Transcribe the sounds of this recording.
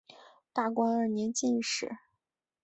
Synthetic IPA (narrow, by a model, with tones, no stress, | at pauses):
t̪a˥˩kwa˥nə˞˥˩njɛ˧˥nt͡ɕi˥˧nʂɻ̩˥˩